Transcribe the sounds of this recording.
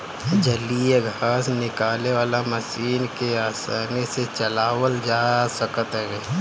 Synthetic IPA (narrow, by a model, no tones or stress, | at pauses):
d͡ʒəlijəɡʱaːsnɪkaːleʋaːlamɐsiːnkeaːsaːneset͡ʃəlaːwəld͡ʒaːsəkət̪ɦɛɡeː